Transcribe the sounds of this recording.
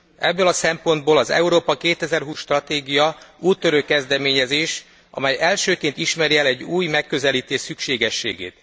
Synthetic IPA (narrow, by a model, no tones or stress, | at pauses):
ɛbːølɒsɛmpo̞nd̪̚boːlɒzɛ̰uɾoːpɒkeːt̪ɛzɛrɦuːsʃt̪rɒt̪eːɡijɒuːt̪ːøɾøkːɛzd̪ɛmeːɲɛzeːʃ | ʔɒ̰mɛjɛlʃøːkeːnt̪iʃmɛɾiɛlɛɟːuːjmɛkːø̞zɛliːt̪eːʃsykʃeːɡɛʃːḛːɡḛːt̪